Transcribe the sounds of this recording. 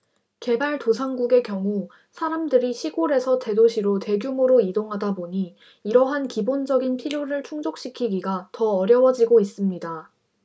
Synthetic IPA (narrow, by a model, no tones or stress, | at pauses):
ke̞baɭtosʰaŋɡuɡe̞kjʌŋu | sʰaɾamdɯɾiɕʰiɡoɾe̞sʰʌte̞doɕʰiɾote̞ɡjumuɾoidoŋɦadaboɲiː | ɾʌɦankibond͡ʑʌɡinpʰiɾjoɾɯɭt͡ɕʰuŋd͡ʑok̚ɕ͈ikʰiɡiɡatʌːɾjʌwʌd͡ʑiɡois͈ɯmɲida